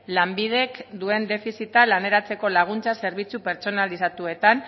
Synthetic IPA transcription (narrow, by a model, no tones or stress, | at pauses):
lambið̞e̞kd̪ue̞nd̪e̞fisit̪alane̞ɾat͡se̞ko̞laɣ̞unt͡sase̞ɾβit͡supe̞ɾt͡so̞nalisat̪ue̞t̪an